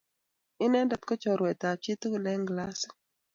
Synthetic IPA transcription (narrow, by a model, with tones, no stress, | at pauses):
ɪ˦nɛ˦nda˨˦t̪kɔ˦t͡ʃɔ˨ɾwɛ˨t̪a˨t͡ʃɪ˦t̪o˦˨nɛ˦ŋɡla˦s